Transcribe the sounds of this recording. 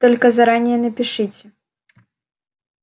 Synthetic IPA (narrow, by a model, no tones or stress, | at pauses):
t̪ɔlʲkɐzɐɾanʲɪjɛnɐpʲɪʂɨt͡sʲɛ